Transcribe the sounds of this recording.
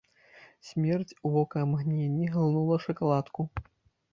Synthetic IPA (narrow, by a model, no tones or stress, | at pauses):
sʲmʲɛrt͡sʲuvɔkɐmɣnʲenʲːiɣɨlˠnulˠɐʂɐkalˠat̪ku